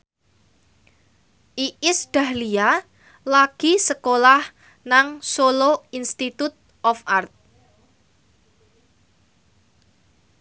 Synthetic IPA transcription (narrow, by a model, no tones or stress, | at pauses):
ʔiʔɪsd̥a̤hlia | laɡ̥i̤səkolah | naŋsoloinst̪it̪ut̪̚ | ʔɔfart̪̚